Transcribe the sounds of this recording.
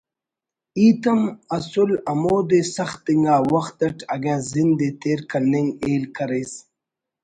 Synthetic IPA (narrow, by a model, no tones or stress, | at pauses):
iːt̪ɐmɐsʊlɐmoːd̪esɐxt̪ːiŋɡaːwɐxt̪ɐʈʰɐɡãːzind̪et̪eːɾkɐlniŋɡeːlkʰɐɾejs